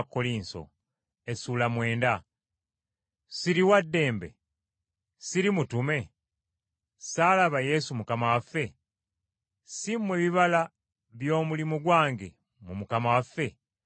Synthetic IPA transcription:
kːoliːnso̰ | esuːlamwe̞ːnda | siɾiwadːe̞ːmbe̞̰ | siɾimutume̞ | saːlaβaje̞sumukamawafːe̞ | simːweβiβala | βjo̞ːmulimuɡwaːŋɡe̞̰ | mumukamawafːe̞

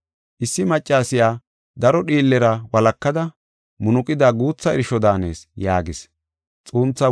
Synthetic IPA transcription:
ʔɪsːɪmɐt͡ʃʼːaːsɪjaː | d̪ɐɾɔɗiːlːɛɾɐwɐlɐkːɐd̪ɐ | mʊnʊkʼɪd̪aːɡuːt͡sːɐɛɾɪʃɔd̪aːne̞̰ːsjaːɡɪs | t͡sʼuːnt͡sːɐ

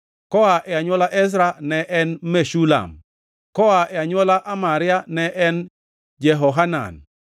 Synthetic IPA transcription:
kɔaʔɛaɲwɔlaʔɛs̬ɾanɛʔɛnmeʃula̰m | kɔaʔɛaɲwɔlaʔamaɾɪanɛʔɛn | d͡ʒɛɦɔɦana̰n

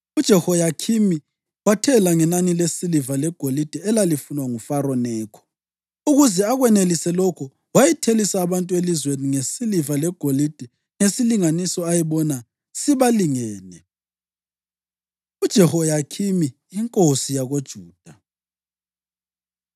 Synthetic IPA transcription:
ud̥ʒ̥ʱɛhojakʰimi | watʰɛlaŋɛnanilesilivalɛɡ̥ʱolid̥ʱɛɛlalifunwaŋufaɾɔnɛːkʰɔ̥ | uɣuzɛaɣwɛnelisɛlɔkʰɔ | wajɛtʰelisaːβantʼuwelizweniŋesilivalɛɡ̥ʱolid̥ʱɛ | ŋesiliŋanisɔajɛβɔna | siβaliŋɛːnɛ | ud̥ʒ̥ʱɛhɔjakʰimi | iŋkʼosijaɣod̥ʒ̥ʱuːd̥ʱa

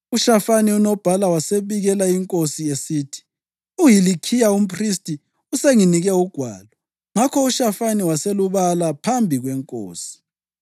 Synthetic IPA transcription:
uʃafaniunɔb̥ʱalawaseβiɣɛlaiŋkʼosiesiːtʰi̥ | ujilikʰijaum̩pʰristʼi | useŋiniɣɛuɡ̥ʱwa̰ːlɔ | ŋakʰɔuʃafaniwaseluβalapʰambʱiɣwɛŋkʼo̰ːsi̥

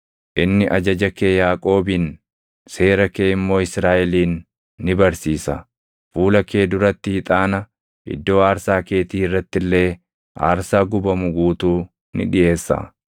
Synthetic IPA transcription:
ʔɪnːɪʔɐd͡ʒɐd͡ʒɐke̞ːjaːkʼo̞ːbiːn | se̞ːɾɐkeːɪmːo̞ːɪsɾaːʔɛliːnː | ɪbɐɾsiːsɐ̰ | fuːlɐke̞ːd̪ʊɾɐt̪ːɪhɪt̪ʼaːnɐ | ʔɪ̰d̪ːo̞ːaːɾsaːke̞ːt̪iːɪrːɐt̪ːɪlːe̞ː | ʔa̰ːɾsaːɡʊbɐmʊɡuːt̪uː | nɪ̰ᶑɪʔe̞ːsːɐ̰

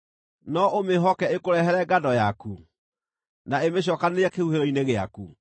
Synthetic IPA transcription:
nɔʔomeɦɔkɛekoɾɛɦɛɾɛɡadɔjaku | naemeɕ̬ɔkaneɾɛkehuheɾɔineɣea̰ku

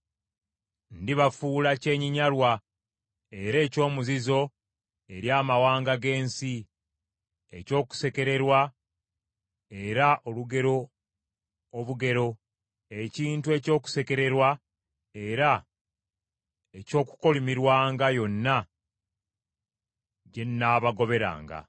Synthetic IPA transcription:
ndiβafuːlace̞ːɲiɲalwa | e̞ɾe̞ːco̞ːmuzizo̞ | e̞ɾjaːmawaːŋɡaɡe̞ːnsi | e̞co̞ːku̥se̞ke̞ɾe̞ɾwa | e̞ɾaʔo̞luɡe̞ɾo̞ | βuɡe̞ɾo̞ | e̞ciːntue̞co̞ːku̥se̞ke̞ɾe̞ɾwa | e̞ɾa | e̞co̞ːku̥ko̞limiɾwaːŋɡajo̞nːa | ɟe̞nːaːβaɡo̞βe̞ɾa̰ːŋɡa̰

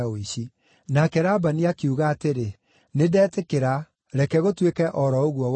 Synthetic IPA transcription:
oiɕi | nakɛɾabaniakiuɣaːteɾe | nedɛːtekeɾa | ɾɛkɛɣotwekɛʔɔɾɔoɣwɔw

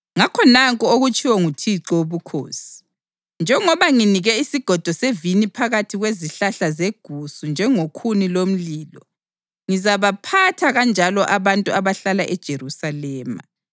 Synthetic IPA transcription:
ŋakʰɔnaŋkʼɔoɣut͡ʃʰʼiwɔŋutʰiǀɔoβukʰo̰ːsi̥ | nd͡ʒʱɛŋɔβaŋiniɣɛisiɡ̥ʱɔd̥ʱɔsevinipʰaɣatʰiɣweziɬaɬazeɡ̥ʱusund͡ʒʱɛŋokʰunilom̩liːlɔ | ŋizaβapʰatʰaɣand͡ʒʱalɔʔaβantʼuaβaɬalaʔɛd̥ʒ̥ʱeɾusalɛːma̰

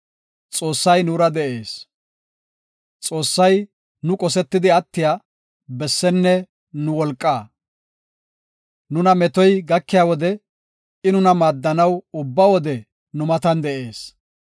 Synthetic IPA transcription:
t͡sʼo̞ːsːɐjnuɾɐd̪ɛʔe̞ːs | t͡sʼo̞ːsːɐj | nʊkʼɔsɛt̪ːɪd̪ɪɐt̪ːɪjaː | bɛsːɛnːɛ | nʊwɔlkʼːaː | nʊnɐmɛt̪ɔjɡɐkːɪjaːwɔd̪ɛ | ɪnʊnɐmaːd̪ːɐnɐwʊbːawɔd̪ɛ | nʊmɐt̪ɐnd̪ɛʔe̞ːs

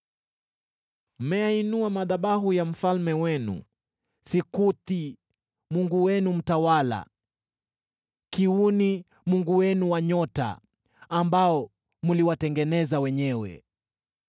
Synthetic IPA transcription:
m̩mɛainuamaðaɓaɦujam̩falmɛwɛnṵ | sikuti | muŋɡuwɛnum̩tawala̰ | kiuni | muŋɡuwɛnuwaɲɔta̰ː | mbaɔ | muliwatɛŋɡɛnɛzawɛɲɛwɛ̰

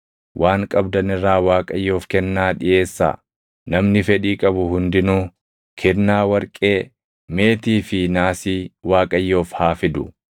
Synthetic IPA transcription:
wʔaːŋkʼɐbd̪ɐnɪrːaːwaːkʼɐjːo̞ːfkɛnːaːᶑɪʔe̞ːsːa̰ | nɐmnɪfɛᶑiːkʼɐbʊhʊnd̪ɪnuː | kʰɛnːaːwɐɾkʼeː | me̞ːt̪iːfɪnaːsiːwaːkʼɐjːo̞ːfhaːfɪd̪ʊ

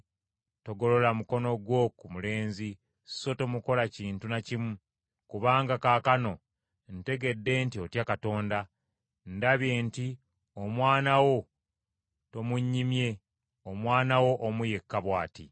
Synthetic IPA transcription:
to̞ɡo̞lo̞lamuko̞no̞ɡwo̞kumule̞ːnzi | so̞tomuko̞laciːntunacimu | kuβaːŋɡakaːkano̞ | n̩te̞ɡe̞dːe̞ːntio̞tjakato̞ːnda | ndaβje̞ːnti | o̞mwaːnawo̞ | to̞muɲːimje̞ | omwaːnawo̞ʔomuje̞kːaβwaːti

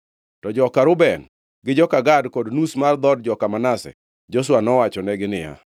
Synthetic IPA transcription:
tɔd͡ʒɔkaɾʊbɛn | ɡɪd͡ʒɔkaɡadkodnusmard̪ɔdd͡ʒɔkamanasɛ̰ | d͡ʒos̬wanɔwat͡ʃɔnɛɡɪnɪja̰

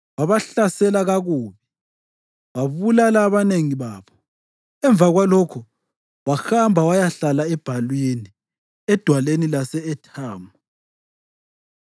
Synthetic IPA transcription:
waβaɬasɛlaɣaɣuːβi | waβulalaːβaneŋiβaːβɔ | ɛɱvaɣwalɔkʰɔ | waxambʱawajaɬalaɛb̥ʱalwini | ɛd̥ʱwalenilasɛːtʰaːmu

